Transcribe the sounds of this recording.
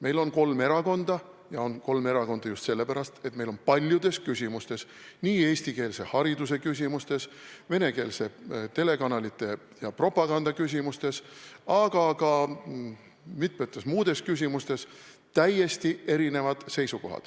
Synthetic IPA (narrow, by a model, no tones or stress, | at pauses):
me̞jlo̞nko̞lme̞ɾɑko̞nd̪̥ɑ | jɑo̞nko̞lme̞ɾɑko̞nd̪ɑjust̪se̞lːe̞pæɾɑst̪e̞t̪me̞jlo̞npɑlʲjud̪̥e̞skysʲimust̪e̞s | niːe̞ːsʲt̪ike̞ːlse̞hɑɾid̪use̞kys̬ʲimust̪e̞sve̞ne̞ke̞ːlse̞t̪e̞le̞kɑnɑlit̪ːˑe̞ | jɑpro̞pˑɑɡ̥ɑnd̪̥ɑkys̬ʲimust̪e̞sɑɡ̥ɑkɑ | mit̪̚ˑmet̪ˑːesmuːd̪̥e̞skys̬ʲimust̪e̞s | t̪æjːe̞st̪ie̞ɾine̞vɑd̪̥se̞jsuko̞ɦɑ̰d̪̥